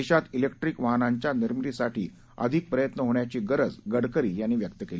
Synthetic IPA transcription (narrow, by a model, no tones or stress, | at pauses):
eɕat̪ilekʈɾikʋaɦnãɲt͡ɕjaniɾmɾisaʈʰḭː | ə̰d̪ʱik̚pɾəjət̪nəɦoɳjat͡ɕiːɡəɾəd͡zɡəɽkəɾiːjanːiːʋjək̚t̪əkeli